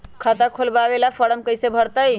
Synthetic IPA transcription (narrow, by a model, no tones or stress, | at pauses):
kʰət̪akʰolbabelapʰəɾəmkəjsebʱəɾt̪əj